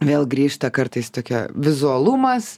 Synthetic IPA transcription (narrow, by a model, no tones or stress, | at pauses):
ʋʲeːlˠɡɾʲiːʃt̪ɐkɐɾt̪ɐɪst̪oːkʲɛ̰ʋʲɪzʊɐlˠumɐs